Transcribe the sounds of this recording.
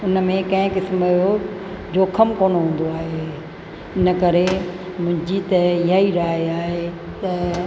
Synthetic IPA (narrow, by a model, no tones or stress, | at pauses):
ʊnə̆mẽkɐ̃ɪ̃kɪsmɪɦo | d͡ʑoːkʰəmkoːñoɦũːn̆d̪oaːɦe | ɪnəkɐɾemʊ̃ɦɪ̃ɲd͡ʑit̪ɐɪɦaiɾaːeaːɦe | t̪ɐ